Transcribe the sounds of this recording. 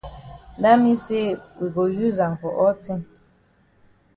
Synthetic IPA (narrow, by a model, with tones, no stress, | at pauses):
nda˦mi˦se˦wi˨ɡo˨ju˦za˨ŋ˨kɔ̰˨ʔɔ˦ti˦n